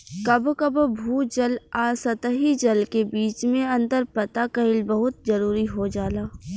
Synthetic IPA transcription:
kɐbkɐbbʱuːd͡ʒɐlaːsɐt̪əɦid͡ʒɐlkebiːt͡ʃmẽɐ̃nd̪əɾpɐt̪akɐɪlbəɦʊt̪̚zɐɾuːɾiɦod͡ʒaːlaː

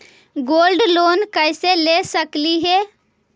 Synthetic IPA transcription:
ɡoːlɖloːnkəɪselesəkliɦe

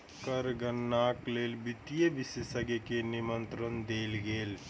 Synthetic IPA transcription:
kəɾɡənːaːkleːlbit̪ijeʋɪsesɐɡekenimənt̪ɾənd̪eːlɡeːl

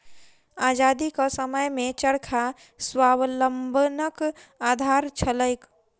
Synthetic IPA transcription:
aːd͡ʒaːd̪ikasəməjmẽt͡ʃəɽkʰa | swaːwləmbʱnəkaːd̪ʱaːɾt͡ʃʰələjk

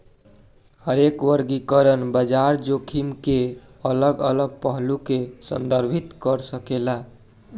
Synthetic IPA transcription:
həɾekwəɾɡikəɾənbəd͡ʒaɾd͡ʒokʰimke | ələɡələɡ̚pəɦlukesə̰nd̪əɾbʱit̪kəɾsəkela

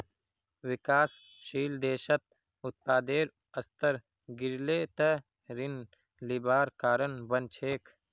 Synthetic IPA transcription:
wɪkaːs | ʃiːld̪eːʃət̪̚ | ʊt̪̚paːd̪eːɾ | ɐst̪əɾ | ɡɪɾleːt̪ə | ɾɪn | lɪbaːɾkaːɾənbənt͡ʃʰeːkʰ

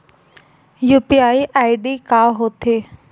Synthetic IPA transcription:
juːpiaːiʔaːiɖikaːɦoːt̪ʰeː

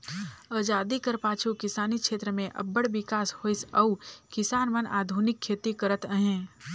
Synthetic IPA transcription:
aːd͡ʒaːd̪ikəɾpaːt͡ʃʰukɪsaːnikʃeːt̪ɾəmẽʔɐ̰bːəɽʋɪkaːshoːɪsɐʊkɪsaːnmənʔa̰ːd̪ʱunɪkʰːeːt̪ikəɾət̪əɦẽː

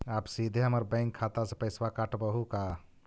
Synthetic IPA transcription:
apsid̪ʱeɦəməɾbə̃ɪŋkʰːat̪asepəɪswakaʈbəɦuka

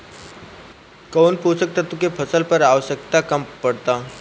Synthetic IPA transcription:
konpusək̚t̪at̪ukepʰəsəlpəɾaʋəɕəkt̪akəmpəɽt̪a

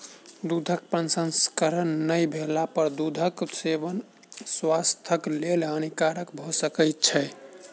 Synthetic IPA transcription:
d̪ud̪ʱək̚pənsənskəɾənːəjbʱelapəɾd̪ud̪ʱəksebən | swast̪ʰəklelənikaɾəkbʱosəkəjt̪̚t͡ʃʰɛ

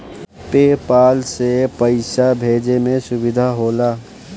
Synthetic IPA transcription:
peːpaːlsepəɪʃabʱeːd͡ʒemẽsʊwɪd̪ʱaɦoːlaː

